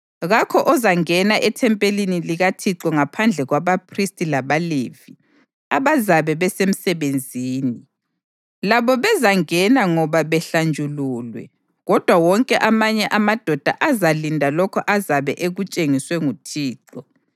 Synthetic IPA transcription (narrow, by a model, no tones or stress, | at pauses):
ɣakʰɔʔɔzaŋɛnaʔɛtʰɛmpʼeliniliɣatʰiǁɔŋapʰand͡ɮʱɛɣwaβapʰristʼilaβalḛvi | aβazaβɛβɛsem̩sɛβend͡zʱiːni | laβɔβɛzaŋɛnaŋɔβaβɛɬand͡ʒʱuluːlwɛ̰ | ɣɔd̥ʱwawɔŋkʼɛʔamaɲɛʔamad̥ʱɔd̥ʱa̰ʔazalindʱalɔkʰɔ̰ʔazaβɛʔeɣut͡ʃʼeŋiswɛŋutʰiːǃɔ